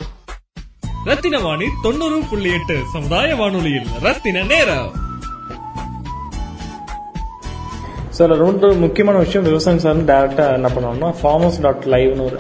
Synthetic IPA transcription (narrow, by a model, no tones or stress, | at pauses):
ɾɐt̪ːɪnɐʋaːɳit̪ɔɳːɯɾɯkʊɭːɪjeʈːɯsɐmʊd̪aːjɐʋaːɳɯɭɐjɪlɾɐt̪ːɪnɐneːɾɐ̰ | sɪlɐɾɔɳɖɯmʊkːɪjɐmaːnɐʋɪʂɐjɐ̃mʋɪʋɐsaːjɐ̃ms̬aːɾɯnd̪ɯɖɐɪɾɛk̚ʈaːɛnːɐpːɐɳːɐːnnːaːfaːmosɖaːʈlɐɪʋnɯɔɾɯ